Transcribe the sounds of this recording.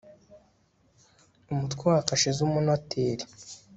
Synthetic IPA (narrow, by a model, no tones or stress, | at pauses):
umutkweakaʃezumunwatʰeɾi